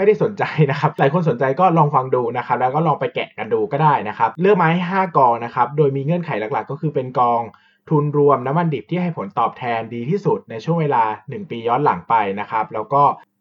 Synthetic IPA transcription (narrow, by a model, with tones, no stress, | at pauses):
ma˥˩jda˥˩jso˩˦nt͡ɕa˧jna˦˥kʰa˦˥p̚laː˨˩˦jkʰo˧ns̬o˩˦nt͡ɕa˧jkɔː˥˩lɔː˧ŋfa˧ŋduː˧na˦˥kʰa˦˥p̚lɛː˦˥wkɔː˥˩lɔː˧ŋpa˧jkɛ̰˨˩ʔka˧nduː˧kɔː˥˩daː˥˩jna˦˥kʰa˦˥p̚lɯ˥˩ək̚maː˦˥jha˥˩jɦaː˥˩kɔː˧ŋna˦˥kʰa˦˥p̚doː˧jmiː˧ŋɯ˧˩ənkʰa˨˩˦jla˨˩kla˨˩kːɔː˥˩kʰɯː˧pe˧nkɔː˧ŋ | t̪ʰu˧nɾu˧əmna˦˥mːa˧ndi˨˩p̚t̪ʰiː˥˩ɦa˥˩jpʰo˨˩˦nt̪ɔː˨˩p̚t̪ʰɛː˧ndiː˧t̪ʰiː˥˩su˨˩t̪̚na˧jt͡ɕʰu˥˩əŋweː˧laː˧nɯ˨˩ŋpiː˧jɔː˦˥t̪̚la̰˩˦ŋpa˧jna˦˥kʰa˦˥p̚lɛː˦˥wkɔː˥˩